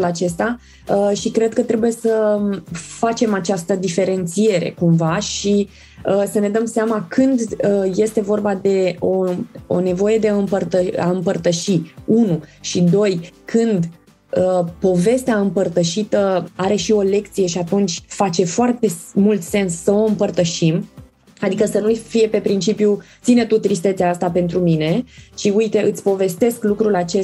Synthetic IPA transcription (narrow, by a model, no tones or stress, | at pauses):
lat͡ʃe̞st̪a | əʃikɾe̞d̪̚kət̪ɾe̞buje̞sə | fat͡ʃe̞mat͡ʃast̪əd̪ife̞ɾe̞nt̪sije̞ɾe̞̰kumvaʃi | əsəne̞d̪əmseamakʰɨnd̪əje̞st̪e̞vo̞rbad̪e̞oo̰ne̞vo̞je̞d̪e̞ɨmpərt̪əa̰ɨmpərt̪əʃiunuʃid̪o̞jkʰɨnd̪ | əpo̞ve̞st̪eaɨmpərt̪əʃit̪əaɾe̞ʃio̞le̞k̚t̪sije̞ʃiat̪unt͡ʃʲfat͡ʃe̞foart̪e̞mult̪se̞nsːəo̞ɨmpərt̪əʃim | ad̪ikəsənujfije̞pe̞pɾint͡ʃipjut̪sinet̪ut̪ɾist̪e̞t̪seast̪ape̞nt̪ɾumine̞ʃiujt̪e̞ʔɨt̪sʲpo̞ve̞st̪e̞sklukɾulat͡ʃe